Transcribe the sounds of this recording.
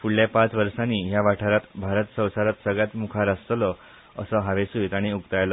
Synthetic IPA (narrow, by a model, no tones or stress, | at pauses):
fuɽljapãt͡sʋəɾʂaniːɦjaʋaʈʰəɾat̪bʱaɾət̪sə̃w̃saɾat̪səɡɭjat̪mukʰaɾast̪lɔ | əsəɦaʋesujit̪aɽ̃iuɡt̪ajlə